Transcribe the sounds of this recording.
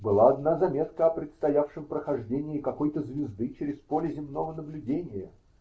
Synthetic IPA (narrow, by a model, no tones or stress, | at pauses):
bɨlˠaːd̪nazɐmʲe̞t̪kəɐpɾʲɪt̪st̪ɐjafʂɨmpɾəxɐʐdʲenʲɪːɪkɐkojt̪əzvʲɪzd̪ɨt͡ɕɪɾʲɪspo̞lʲɪzʲɪmno̞vənəblʲʉdʲenʲɪjə